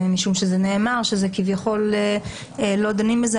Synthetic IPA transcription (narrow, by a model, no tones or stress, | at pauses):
miʃumʃezeneːmaʁʃezekivjaχo̞le | lo̞d̪animbez